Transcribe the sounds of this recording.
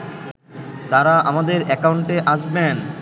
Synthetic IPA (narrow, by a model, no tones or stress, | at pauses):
t̪aɾaʔamad̪eɾɛkawɳʈeʔaʃben